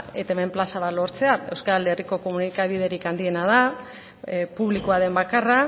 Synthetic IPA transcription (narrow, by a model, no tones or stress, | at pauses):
e̞t̪aeme̞mplasaβat̪lo̞ɾt͡se̞ae̞wskale̞riko̞ko̞munikaβið̞e̞ɾikand̪ie̞nað̞a | puβlikoaðe̞mbakara